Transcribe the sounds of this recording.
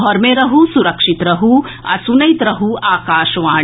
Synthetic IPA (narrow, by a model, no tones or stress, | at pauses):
ɔɾmeɾɐɦusuɾɐkʂit̪ɾɐɦu | ɐ̰sunɐjit̪ɾɐɦuaːkaːʃʋaː